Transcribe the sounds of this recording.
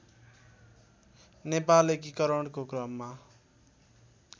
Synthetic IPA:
nepalek̬ikʌɾʌɳkokrʌmːa

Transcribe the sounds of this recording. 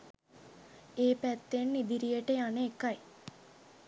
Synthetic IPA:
eːpæt̪ːenːid̪iɾijəʈəjaneːkaj

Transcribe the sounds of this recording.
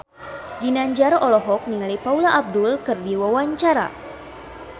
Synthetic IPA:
dinaɲd͡ʒarɔlɔɦɔk̚niŋalipaulaʔːb̚dulkɨrdiwawaɲt͡ʃaɾa̰

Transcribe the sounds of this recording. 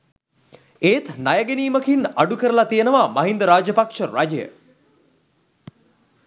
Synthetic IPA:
eːt̪najəɡeniːməkinaɖukəɾəlat̪ijənəʋamɐɦind̪əɾaːd͡ʒəpakʂəɾad͡ʒəjə̰

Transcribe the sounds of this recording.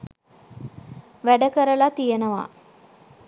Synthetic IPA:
ʋæɖəkəɾəlat̪ijənəʋa̰

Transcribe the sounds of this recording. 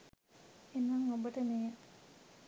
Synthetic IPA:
enːaŋːobəʈəneː

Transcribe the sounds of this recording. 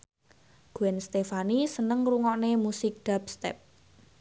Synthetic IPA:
ɡ̥uɛnst̪efanisənəŋruŋɔʔnemusɪk̚d̪̥a̤p̚st̪ɛ̰p̚

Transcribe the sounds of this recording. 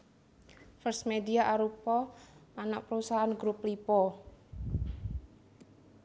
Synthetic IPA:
fərsmed̪iaʔaɾupɔanaʔpɾusaanɡɾup̚lipɔ

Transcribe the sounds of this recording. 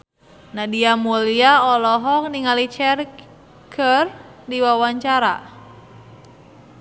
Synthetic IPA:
nadiamuliaɔlɔɦɔk̚niŋalit͡ʃɛr | kʰərdiwawaɲt͡ʃaɾa̰

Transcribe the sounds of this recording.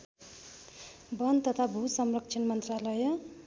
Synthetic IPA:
bʌnt̪ʌt̪ʰabʱusʌmrʌk̚t͡ʃʰʌnmʌnt̪ralʌjʌ

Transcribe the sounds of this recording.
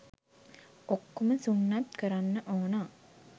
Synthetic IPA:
okːoməsuŋːat̪kəɾanːəʔoːna

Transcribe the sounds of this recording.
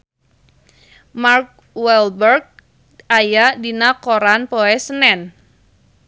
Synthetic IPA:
mark̚ | wɛlbərɡ̚ | ajadinakoɾanpoɛsənɛn

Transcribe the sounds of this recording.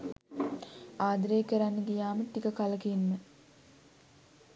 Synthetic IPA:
aːd̪ɾeːkəɾanːəɡijaːməʈ̪ikəkaləkinmə

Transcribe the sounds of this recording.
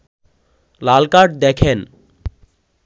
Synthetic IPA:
lalkaʈ̚d̪ekʰen

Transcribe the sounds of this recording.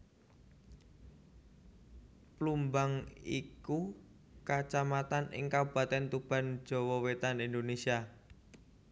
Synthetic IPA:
plumbaŋiku | kat͡ʃamat̪anɪ̰ŋkawb̥ä̤t̪ɛnt̪ub̥a̤nd̥d͡ʒ̥ɔ̤wɔwet̪anind̪onesia

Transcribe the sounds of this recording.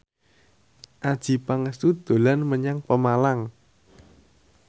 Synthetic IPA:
ʔad̥ʒ̥i̤paŋəsud̪̥o̤lanməɲaŋpəmalaŋ

